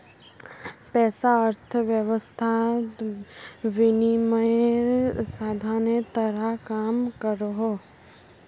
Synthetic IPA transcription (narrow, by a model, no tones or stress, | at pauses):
pɛːsaəɾt̪ʰəʋjəʋəst̪ʰa | ʋɪnimə | saːd̪ʱaːnjet̪əɾakaːmkəɾɦoː